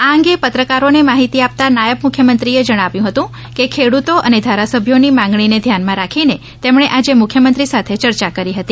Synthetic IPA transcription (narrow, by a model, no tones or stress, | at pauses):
aə̃ŋɡepət̪ɾəkaɾonemaɦit̪iap̚t̪anajəbmukʰjəmənt̪ɾied͡ʒəɽ̃aʋjũɦət̪ũ | kekʰeɽut̪oʔəned̪ʱaɾasəbʱjonimãŋɡɳ̃ined̪ʱjanmãɾakʰine | t̪emɳeʔad͡ʒemʊkʰjəmənt̪ɾisat̪ʰet͡ʃəɾt͡ʃakəɾiɦət̪i